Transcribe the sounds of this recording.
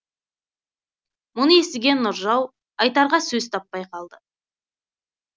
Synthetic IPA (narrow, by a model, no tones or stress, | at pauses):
mʊnəe̞sɪɡʲe̞nːʊɾʒɑw | ɑjt̪ɑɾʁɑsɵzt̪ʰɑpːɑjqʰɑlˠd̪ə